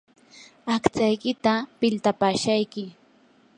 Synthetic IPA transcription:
akt͡sajkɪt̪apɪlt̪apaːʃajkɪ

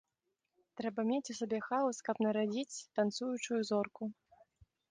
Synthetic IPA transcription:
t̪ɾɛbɐmʲet͡sʲusʲabʲɛxawskɐpnɐɾad͡zʲit͡sʲt̪ant̪sujut͡ʂujuzɔrku

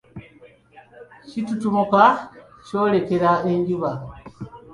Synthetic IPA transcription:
ʃitutumuka | t͡ʃolekeɾaeɲɟuβa

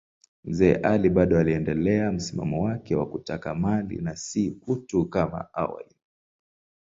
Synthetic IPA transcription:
m̩zɛ̰ːʔaliɓaɗɔaliɛndɛlɛam̩sima̰mɔwakɛwakutakamalḭnasiutukama̰a̰wa̰li

